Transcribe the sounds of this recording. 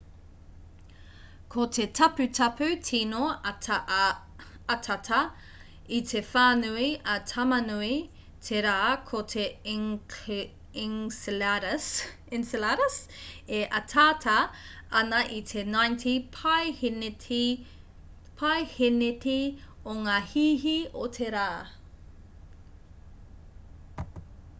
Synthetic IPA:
kʰotʰetʰɐpʉtʰɐpʰʉtʰinoɐt | ɐtʰɐtʰɐ | itʰefaːnuiʔɐtʰɐmɐnui | tʰeɾaːkʰotʰe | ɪŋsɾs | ɪnslaɾɐseʔɐtʰaːtʰɐɐnɐʔit̪ʰenajntʰipʰajh | pʰɐjhenetioŋaːhiːɦiotʰeɾaː

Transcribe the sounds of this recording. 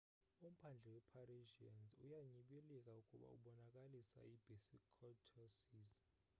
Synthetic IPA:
um̩pʰand͡ɮʱɛwɛpʰaɾiʒianzṵjaɲiɓɛlɛkʼaukʼuɓa̰ṵɓɔnakʼalisa̰ibʱesikʰɔtʰɔsiːz

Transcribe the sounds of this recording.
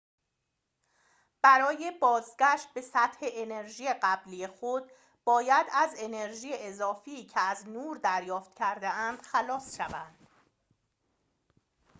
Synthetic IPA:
b̥æɾɒːjebɒːzɟæʃt̪̚be̞sæt̪he̞ʔene̞ɾʒijeɢæblije̞xo̞d̪̥̚ | b̥ɒːjæd̪æze̞ne̞ɾʒiːjeʔezɒːfiːcʰeæznuːɾd̪æɾjɒːft̪cʰæɾd̪eænd̪̥xælɒːsʃævænd̪̥

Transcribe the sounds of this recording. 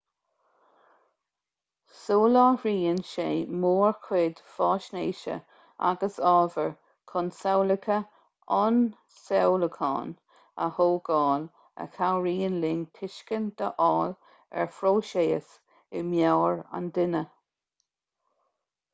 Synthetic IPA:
soːlaɹiːənʃeːmoːɹkʰwɪd̪̥fɑːʃneːʃə̰ | a̰ɡəsɑːvəɹ | kʰɔnsɛwlɪkʰə | ɔn | sɛwləkʰɑ̰ːn | ə̰hoːɡɑːl | ə̰kʰawɹiːənlɪŋtʰɪʃkənd̪̥əʔɑːl | ɛ̰ɹfɾoːʃeːə̰s | ɪmjawɹa̰nd̪ɪnə

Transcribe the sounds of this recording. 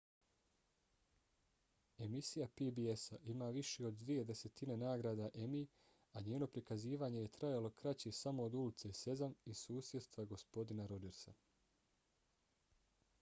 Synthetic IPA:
e̞misijapibiesaʔimaːʋiʃeo̞d̪ːʋije̞d̪e̞se̞t̪ine̞naːɡɾaːd̪aʔe̞mi | aɲeːno̞pɾikaziːʋaːɲe̞je̞t̪ɾajalo̞kɾat͡ɕesamo̞ːd̪ulit̪sese̞zamisuːsjet̪st̪ʋaɡo̞spo̞d̪inaɾo̞d͡ʒe̞ɾsa

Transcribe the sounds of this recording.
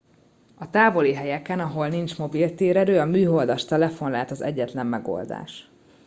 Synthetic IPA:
ɒt̪aːvo̞liɦɛjɛkɛnɒɦo̞lnint͡ʃmo̞bilt̪eːɾɛɾøːɒmyːɦo̞ld̪ɒʃt̪ɛlɛfo̞nlaːt̪ɒzɛ̰ɟːɛt̪lɛmːɛɡo̰ld̪a̰ːʃ

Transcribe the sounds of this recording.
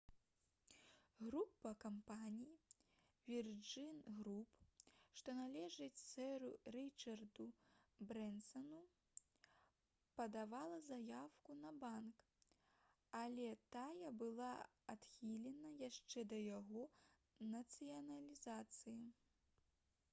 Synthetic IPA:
ɣɾupːɐkampanʲiji | vʲird͡ʐɨnɣɾupʂt̪ɔnalʲɛʐɨt͡sʲsɛɾurit͡ʂɐrd̪ubɾɛnsɐnu | pɐd̪avalˠɐzajawkunɐbank | alʲɛt̪ajɐbɨlˠa | at̪xʲilʲɛnɐjaʂt͡ʂɛd̪ɐjaɣɔ | nɐt̪sɨjɐnɐlʲizat̪sɨji

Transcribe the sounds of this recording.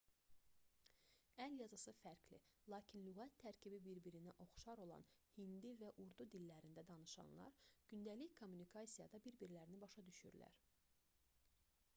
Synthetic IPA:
æljɑzɑsɯfæɾkʰlḭlˠɑːcʰinlyɣæt̪ʰːæɾcʰibibiɾbiɾinæʔo̞χʃɑɾo̞lˠɑ̰nhind̪ivæʔuɾd̪ud̪ilːæɾind̪æd̪ɑnɯʃɑ̰nlˠɑ̰ɾɟ̥ynd̪æliçkʰo̞mːunikʰɑsijɑd̪ɑbiɾbiɾlæɾinibɑʃɑd̪yʃy̰ɾlæ̰ɾ

